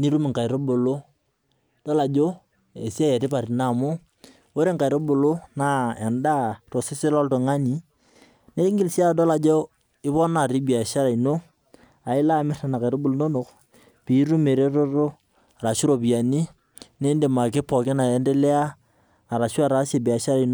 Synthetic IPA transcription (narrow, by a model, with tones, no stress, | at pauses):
ni˦ɾu˦mɪ˨ŋka˨i˨ɾo˦bo˨lo˦ | d̥ɔ˦la˨d͡ʒo˦ | e˨si˦a˦jɛ˨tɪ˦pa˨ɾi˨na˦˨mo˦ | wo˦ɾe˦ŋka˨ɾo˦bo˨lo˦na˦˨ɛ˨nda˦to˨sɪ˦sɪ˦lɔ˦lto˨ŋa˦ni˨ | ne˦i˦ŋɡɪ˨lsi˦a˦dɔ˦la˨d͡ʒo˦ | ɪ˦pɔ˦na˨ɾi˦bi˨a˨ʃa˦ɾa˨i˨no˦ | a˨ɪ˦la˦˨mɪ˦ta˨na˨ka˨ɾo˦bʊ˨lno˦no˨k | pi˨˦ɾu˦me˨ɾe˦ɾo˦ɾo˦˨ | ɾa˨ʃu˦ɾo˨pi˨a˨ni˦ | ne˦nde˨ma˨ke˦pɔ˨kɪ˦na˨e˦nde˦le˦a˦ | a˨ɾa˨ʃu˦a˦˨ɾa˨˦se˨bi˨a˨ʃa˦ɾa˨i˨n˦